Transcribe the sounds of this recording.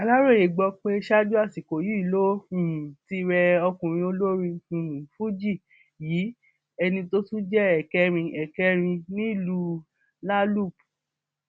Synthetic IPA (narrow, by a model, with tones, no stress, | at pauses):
a˨la˦ɾo˦˨je˨ɡ͡bɔ˧k͡pe˦ʃa˦d͡ʒu˦a˦˨si˨ko˨ju˨˦i˦˨lo˦ĩ˨ĩ˨ti˧ɾɛ˧ɔ˧kũ˨ɾ̃ĩ˧o˧lo˦ɾĩ˧ĩ˨nũ˨fu˦d͡ʒi˦˨ | jiː˨˦ | ɛ˧nĩ˧to˦tũ˦d͡ʒɛ˦ɛ˨kɛ˦ɾ̃ĩ˧ʔɛ˨kɛ˦ɾ̃ĩ˧nĩ˦i˦˨lu˦ | la˦lu˦˨p